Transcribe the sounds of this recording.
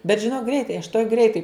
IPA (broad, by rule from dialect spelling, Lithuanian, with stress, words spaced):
bʲɛt ʒʲɪˈnoːk ˈɡrʲɛɪtɐɪ ɐʃ tuɔj ˈɡrʲɛɪtɐɪ